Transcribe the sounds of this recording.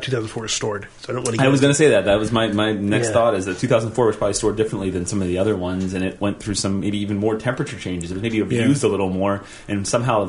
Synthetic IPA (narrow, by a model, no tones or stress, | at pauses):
tʰʉθaʊzn̩fɔɹɨz̥stɔɹd̥ | adõʊ̃nʔaɪwʌzɡʌñɨseɪðɨt̪̚ðɨt̚wʌzmaɪmaɪnɛksθɔɾɨzðɨttʰʉθaʊznnfɔɹwʌzpʰɹ̥ɑblistɔɹdɪfɹɨ̃nʔliðɨ̃nsʌ̃mʌvðiʌðə˞wʌ̃nzɨ̃nɨt̚wɛ̃nθɹʉsʌ̃mmeɪbiivn̩mɔɹtʰɛ̃mpɹɨt͡ʃə˞t͡ʃʰẽɪ̃nd͡ʒɨzɨt̚wʌzmeɪbiɨbjjʉzdəlɪɾl̩ˠmɔɹ | ʔɨ̃nsʌ̃mɦaʊ